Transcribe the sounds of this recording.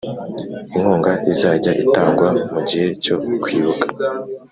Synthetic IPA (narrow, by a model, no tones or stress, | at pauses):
iŋ̥hoːŋɡaizaːɟaʔitaːŋɡwamuɟihe̞co̞kwiːβukḁ